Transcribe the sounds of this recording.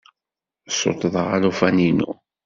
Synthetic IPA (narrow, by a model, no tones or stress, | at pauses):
so̰t̪ˤðˤəʁalufæninṵ